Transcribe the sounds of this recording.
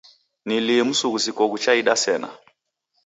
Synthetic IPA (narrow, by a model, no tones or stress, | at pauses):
niliɛmusuɣusikɔɣut͡ʃaiɗasɛna̰